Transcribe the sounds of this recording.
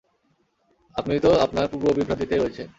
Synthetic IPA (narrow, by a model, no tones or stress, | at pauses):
apnit̪oapnaɾpuɾbobibʱɾad̪it̪eɾoet͡ɕʰen